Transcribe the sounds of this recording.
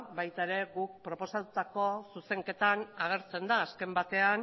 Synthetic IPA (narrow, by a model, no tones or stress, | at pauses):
bajt̪aeɾe̞ɣuk̚pɾo̞po̞sat̪ut̪ako̞suse̞ŋke̞t̪anaɣ̞e̞ɾt͡se̞nd̪aːske̞mbat̪e̞an